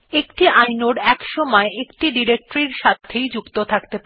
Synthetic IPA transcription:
ekʈiʔajnoɖɛkʃɔmɔeʔekʈiɖiɾek̚ʈɾiɾʃat̪ʰːejd͡ʑukt̪ot̪ʰakt̪ep

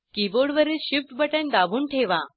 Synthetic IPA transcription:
kiboɽʋəɾeɕifʈbəʈə̃nd̪abʱuːɳʈʰeʋa

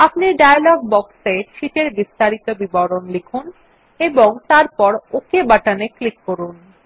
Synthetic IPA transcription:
apniɖajalɔɡ̚bɔkseʃiʈeɾbist̪aɾit̪obibɔɾonlikʰun | eboŋt̪aɾpɔɾokebaʈaneklikːoɾun

